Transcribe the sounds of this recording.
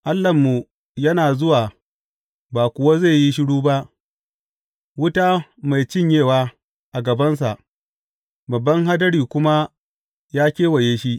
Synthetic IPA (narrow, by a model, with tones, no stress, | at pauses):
ʔa˦lːɐ˨mːu˨ | jɐ˦naː˨zʊ˦waː˨ | baː˨kʷʊ˨wa˦za˦˨ji˦ʃɪ˦ɽuː˦ba˦ʔ | wʊ˦ta˦ma˨jt͡ʃɪ˦˨ɲjeː˦˨waː˦ | ʔa˨ɡɐ˨bɐ˦ns̬a˨ʔ | bɐ˨bːɐ˦ŋɦa˦dɐ˦ɽiː˨kʷʊ˦ma˦ | jaː˦kʲeː˦wɐ˨jeː˦ʃi˦ʔ